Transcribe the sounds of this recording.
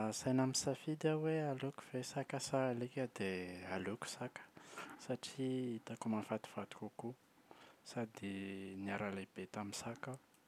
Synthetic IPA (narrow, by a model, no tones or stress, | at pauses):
sajnamisafid̪awealuku̥v̥esakasalikʲəd̪ealuku̥sakə̥saʈ͡ʂiit̪akumafat̪u̥v̥ad̪u̥kʲuku | sad̪iniaɾalab̥et̪amisaka